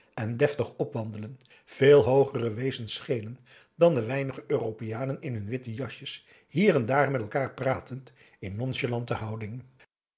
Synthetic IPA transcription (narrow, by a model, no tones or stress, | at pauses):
ɛndɛftəχɔpʋɑndələn | v̥eːlˠɦowχərəʋejzənsχejlən | dɑndəʋɛjnəχəʔøːropɪjaːnənɪnɦɵnʋɪtəjɑʃəs | ɦiːrɛndaːɹmɛtɛlˠkaːɹpraːtənt | ɪnːɔnʒəlɑntəɦɑwdɪŋ